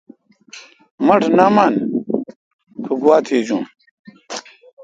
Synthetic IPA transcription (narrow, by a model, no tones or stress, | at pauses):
mɐʈʰnaman | kʰuɡuwaːt̪ʰiːd͡ʑũː